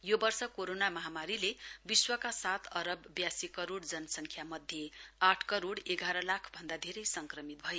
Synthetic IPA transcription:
jobʌrsʌkoɾonamʌɦamaɾilebiswʌkasat̪ʌɾʌbːjasikʌɾoɽd͡zʌnʌsʌŋkʰjamʌd̪ʱjeaʈʰkʌɾoɽeɡaɾʌlakʰbʱʌnd̪ad̪ʱeɾʌjsʌŋkrʌmit̪̚bʱʌe

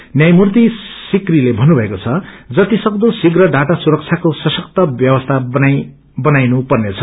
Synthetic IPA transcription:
njajmurt̪isikrilebʱʌnːubʱʌekot͡sʰʌd͡zʌt̪isʌkd̪osiɡrʌɖaʈasuɾʌk̚t͡sʰjakosʌsʌk̚t̪ʌbjʌwʌst̪ʰana | bʌnajnupʌrnet͡sʰʌ̥

